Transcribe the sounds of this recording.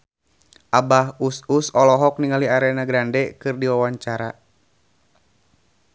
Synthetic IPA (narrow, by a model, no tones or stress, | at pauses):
ʔabaɦususɔlɔɦɔk̚niŋaliaɾɛnaɡɾandɛkɨrdiwawaɲt͡ʃaɾa